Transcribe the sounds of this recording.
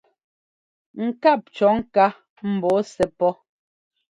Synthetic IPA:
ŋ̩˨ka˦˨p̚t͡ʃɔ˨˦ŋ̩˦ka˦ | m̩˨bɔ˨˦sɛ˨˦pɔ˦

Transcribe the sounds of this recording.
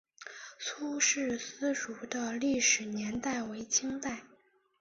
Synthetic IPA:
t͡sʰu˥ʂɻ̩˥˩sɹ̩˥ɻu˧˥d̪ə˧li˥˩ʂɻ̩˨˩njɛ˧˥nt̪a˥˩ɪwe˧˥ɪt͡ɕʰi˥ŋt̪a˥˩ɪ

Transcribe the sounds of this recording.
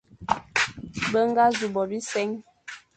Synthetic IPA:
bə˦ŋ˦ɡa˦zu˨bɔ˨bi˦sɛ˦ŋ

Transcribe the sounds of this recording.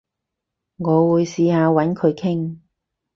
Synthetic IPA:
ŋɔː˨˧wuː˨˧jsiː˧haː˨˧wɐ˨˥nkʰɵ˨˧ɥkʰɪ˥ŋ

